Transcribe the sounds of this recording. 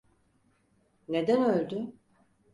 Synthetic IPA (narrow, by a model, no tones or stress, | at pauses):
ne̞d̪ænølʲd̪y